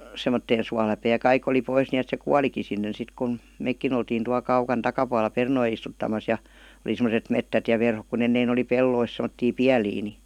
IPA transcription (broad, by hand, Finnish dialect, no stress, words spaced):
semːotːeːn suɑlæpeː jɑ kɑik oli pois niet se kuɑliki sinːen sit kun̞ meikːin oltiːn tuɑl kɑukɑn tɑkɑpuɑlːɑ pernoi istutːɑmɑs jɑ ə̆li semoset metːæt jɑ ʋerhok ku enːein oli pelːois semə̆tːiː piæliː ni